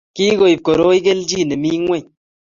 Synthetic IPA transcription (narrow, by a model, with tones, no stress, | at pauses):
ki˦ɡo˨i˨p̚ko˨ɾo˦i˦ɡe˦ld͡ʒi˦˨ne˨mi˦ŋwe˦˨ɲ